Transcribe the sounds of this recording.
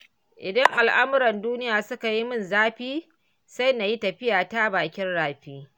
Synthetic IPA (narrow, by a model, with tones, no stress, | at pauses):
ʔɪ˨dɐ˦ŋʔa˨lʔa˦mʊ˦ɾɐ˨nduː˦nɪ˦jaː˨sʊ˦ka˨ji˦mʊ˦˨nzaː˦ɸiː˦ | sa˦jna˨ji˦tɐ˨ɸɪ˦jaː˨ta˦baː˨kʲɪ˦nɽaː˨ɸiː˦